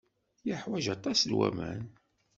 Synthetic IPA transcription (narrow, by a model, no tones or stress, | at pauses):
jəħwæʒɑt̪ˤɑslwæ̰mæn